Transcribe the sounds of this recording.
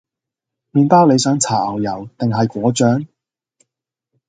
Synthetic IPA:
miː˨˧npaː˥wle˨˧jsœː˨˥ŋt͡sʰaː˨˩ɐ˨˩wjɐ˨˩wt̪ɪ˨ŋɦɐ˨jkʷɔː˨˥t͡ʃœː˨˥ŋ

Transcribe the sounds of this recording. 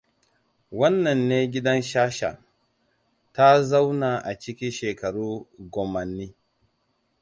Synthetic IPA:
wɐ˦nːɐ˨nːeː˦ɡʲɪ˦dɐ˦nʃaː˦ʃa̰˨ | ta˦za˦wna˨ʔa˨t͡ʃɪ˦kʲɪ˦nʃeː˨kɐ˨ɽuː˦ɡʷɔ˨mɐ˨nːiː˦

